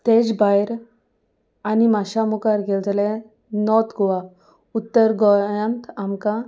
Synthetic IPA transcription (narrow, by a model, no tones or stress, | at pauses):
t̪ed͡zbajɾ | animaɕamukaɾɡeld͡zle | nɔt̪ɡɔʋa | ut̪ːəɾɡɔə̃nt̪amkã